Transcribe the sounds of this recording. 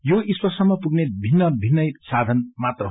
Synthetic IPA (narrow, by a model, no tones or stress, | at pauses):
joiswʌrsʌmːʌpuɡnebʱinːʌbʱinːʌjsad̪ʱʌnmat̪rʌ